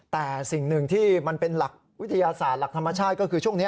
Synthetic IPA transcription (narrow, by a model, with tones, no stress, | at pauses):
t̪ɛː˨˩si˨˩ŋnɯ˨˩ŋt̪ʰiː˥˩ma˧npe˧nla˨˩k̚wt̪ʰːa˧jaː˧saː˨˩t̪̚la˨˩t̪ʰa˧mːa˧t͡ɕʰaː˥˩t̪̚kɔː˥˩kʰɯː˧t͡ɕʰu˥˩əŋni˦˥